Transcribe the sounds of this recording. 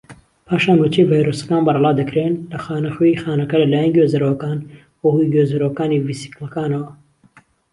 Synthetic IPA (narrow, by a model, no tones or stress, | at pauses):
pʰaːʃaːnwut͡ʃʰevaːjɾosɐ̥kaːnbɑɾˤɑlˠɑːd̪ɐkɾenlɐxaːnɐxojixaːnɐkɐlɐlaːjɛnɡozɐɾɐwɐkaːn | wɐhujɡozɐɾowɐkaːniːvisi̥klɐkaːnɐwɐ